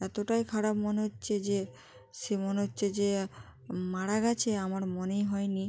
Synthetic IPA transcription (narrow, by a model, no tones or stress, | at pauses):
ɛt̪oʈajkʰaɽapmoneɦotːɕʰed͡ʑe | ʃemoneɦotːɕʰed͡ʑe | maɽaɡat͡ɕʰeamaɾmonejɦɔeni